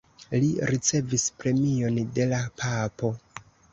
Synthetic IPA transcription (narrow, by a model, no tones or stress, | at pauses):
liɾit͡se̞vispɾe̞mio̞nde̞lapʰapo̞